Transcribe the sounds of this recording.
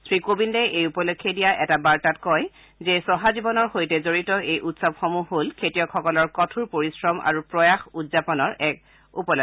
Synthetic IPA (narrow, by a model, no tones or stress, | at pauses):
sɹikobindɛejupɔlokʰːjedijaʔɛtabaɹtatkɔj | zɛsɔɦazibɔnɔɹxojtɛzoɹitɔejʔutsɔbxomuɦolkʰetijɔkʰɔkɔlɔɹkɔtʰuɹpoɹisɹɔmʔa̰ɹupɹɔjaxudzapɔnɔɹʔɛk̚ | ṵpɔlo